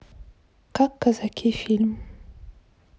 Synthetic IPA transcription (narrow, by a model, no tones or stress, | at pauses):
kakːazakʰifilm